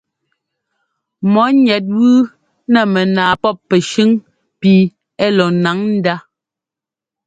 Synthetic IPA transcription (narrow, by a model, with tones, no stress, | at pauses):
mɔ˨˦ɲɛ˨˦t̬̚ɣʉː˦ | nɛ˨mɛ˨naː˨pɔ˦pːɛ˨ʃʉ˦ŋ | pi˨ | ɛ˦lɔ˨na˨˦ŋn̩˦da˦